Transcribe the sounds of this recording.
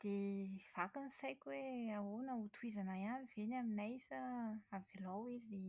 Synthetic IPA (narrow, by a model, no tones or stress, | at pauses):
d̪̥ev̥akinisajkʲweaonəut̪ʰwizanajaniv̥enaminajsəavilawizie